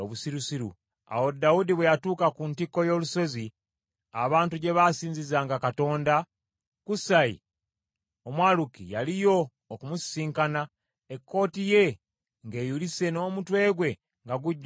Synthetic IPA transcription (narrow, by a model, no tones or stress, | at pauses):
oβusiɾusiɾṵ | a̰wo̞daudiβwejatuːkakuntikːo̞jo̞ːluso̞zi | a̰βaːntuɟe̞βasiːɲzizaːŋɡakato̞ːnda | kusaḭ | omwaːlukijalijo̞ː | kumusiːŋkana | ekːo̞ːtije̞ | ŋɡe̞ːjulise̞no̞ːmutwe̞ːɡwe̞ | ŋɡaɡuɟː